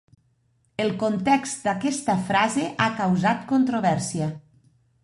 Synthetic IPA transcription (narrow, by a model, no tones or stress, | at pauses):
elˠkont̪ɛkst̪d̪akɛst̪afɾazeʔakawzat̪kont̪ɾoβɛɾsia